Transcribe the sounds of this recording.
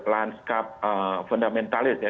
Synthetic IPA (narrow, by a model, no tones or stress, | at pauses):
lanskap̚əfɔndamɛ̃nt̪alɪsja